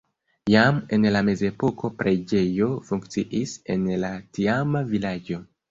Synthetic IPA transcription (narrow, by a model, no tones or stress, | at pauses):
jame̞nlame̞ze̞po̞ko̞pɾʔe̞d͡ʒe̞jo̞fuŋkt͡siʔise̞̰nlatiamavilad͡ʒo̞